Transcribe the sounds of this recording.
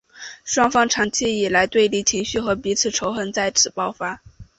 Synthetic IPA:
ʂwɑ˥ŋfɑ˥ŋʈ͡ʂʰɑ˧˥ŋt͡ɕʰi˥i˨˩la˧˥ɪt̪we˥˧ɪli˧˥˩t͡ɕʰi˧˥ŋɕy˥˩xɤ˧˥pi˧˥t͡sʰɹ̩˨˩ʈ͡ʂʰo˧˥ʊxə˧˥nt͡sa˥˩ɪʈ͡ʂʰɻ̩˨˩pɑ˥˧ʊfa˥

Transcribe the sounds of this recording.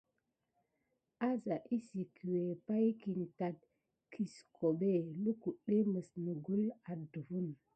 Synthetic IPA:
a˦za˨ʔi˦si˨kʰi˨we˨pa˦jki˨nta˨t̚ | kʰi˨skʰo˨ɓe˦˨lu˦ku˨ɗe˦mə˨snə˨ɡu˦la˨də˨vu˦n

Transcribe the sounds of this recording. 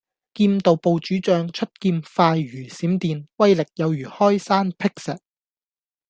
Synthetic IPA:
kiː˧mt̪o˨wpo˨wt͡ʃyː˨˥t͡ʃœː˨˧ŋt͡ʃʰɵ˥t̚kiː˧mfaː˧jɥyː˨˩siː˨˥mt̪iː˨˧nwɐ˥jlɪ˨k̚jɐ˨˧wjyː˨˩hɔː˥jsaː˥npʰɪ˥k̚sɛ˨t̚

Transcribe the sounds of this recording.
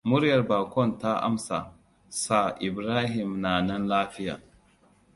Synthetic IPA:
mʊ˦ɾjɐ˨rbaː˨kʷɔ˦˨nta˦ʔa̰˦msa̰˨ | sa˨ʔɪ˨bɾaː˦ɦɪ˨mnaː˨nɐ˦nlaː˦ɸɪ˦ja̰ː˨

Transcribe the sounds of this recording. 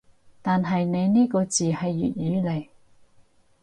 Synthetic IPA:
t̪aː˨nɦɐ˨jne˨˧jniː˥kɔː˧t͡siː˨hɐ˨jːy̰ː˨t̚jyː˨˥le˨˩j

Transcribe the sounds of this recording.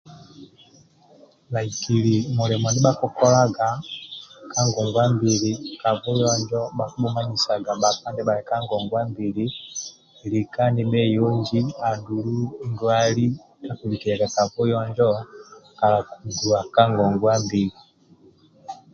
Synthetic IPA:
la˨i˨ki˨li˨mu˨lɛ˨mɔ˨ndi˦ɓa˦kɔ˦kɔ˦la˦ɡa˨ | ka˦ŋɡɔ˨ŋɡwa˦mbi˨li˨ka˨vɔ˦jɔ˦ɲd͡ʒɔ˦ɓa˨ku˦ɓɔ˦ma˦ɲi˨sa˨ɡa˨ɓa˨pa˦ndɛ˦ɓa˨lɛ˨ka˦ŋɡɔ˨ŋɡwa˦mbi˨li˦˨ | li˨ka˦ni˦ɓɛ˦jɔ˦ŋɡi˦a˨ndu˨lu˦i˦ŋɡwa˦li˦ | ta˨ku˨li˨ki˨ɾɛ˨ɡa˨ka˨vɔ˦jɔ˦ɲd͡ʒɔ˦ka˨la˨ku˨ɡu˨a˨ka˦ŋɡɔ˨ŋɡwa˦mbi˨li˨

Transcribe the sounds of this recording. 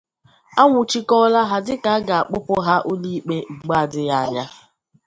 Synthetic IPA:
a˦ŋʷʊ˨t͡ʃi˦kɔ˦la˦ɦa˦dɪ˦ka˨a˦ɡa˨a˨k͡pʊ˦pʊ˦ɦa˦ʔo˦li˦k͡pe˦ŋ͡m̩˨ɡ͡ba˦a˨dɪ˦ja˦a˨ɲa˦

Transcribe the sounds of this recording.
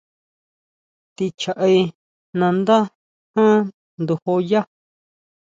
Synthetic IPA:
t̪i˧t͡ʃa˨ʔa˧i˧ | nã˧nd̪a˦ | hã˦ | nd̪u˧ho˧ja˦

